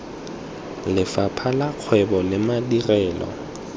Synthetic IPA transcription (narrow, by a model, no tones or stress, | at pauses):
lɪfapʰalaq͡χʰwɛbɔlɪmadirɛːlɔ̰